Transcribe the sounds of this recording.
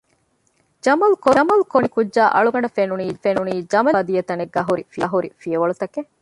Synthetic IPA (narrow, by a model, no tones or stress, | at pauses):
d͡ʒɐmɐlukoɐmɐlukonikudʒaːʔɐ̰ɭuɡɐɳɖɐfenuniːfenuniːd͡ʒɐmɐd̪ijɐt̪ɐneɡːɐɦuɾifiɐɦuɾifijɐʋɐɭut̪ɐke